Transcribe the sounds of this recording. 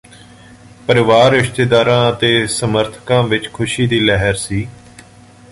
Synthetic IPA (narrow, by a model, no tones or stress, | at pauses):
pəɾɪʋaːɾːɪʃt̪eːd̪aːɾãːət̪eːsəməɾt̪ʰə̥kãːʋɪt͡ʃkʰʊʃiːd̪iːlɛɦəɾsiː